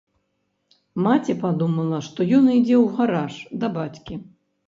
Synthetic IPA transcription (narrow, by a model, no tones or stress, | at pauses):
mat͡sʲɛpad̪umɐlˠɐʂt̪ɔjɔnid͡zʲɛwɣaɾaʂd̪ɐbat͡sʲkʲi